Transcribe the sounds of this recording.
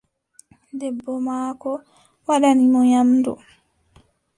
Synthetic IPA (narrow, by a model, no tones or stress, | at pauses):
dɛbːɔmaːkɔ | waɗanimɔɲamdɔ̰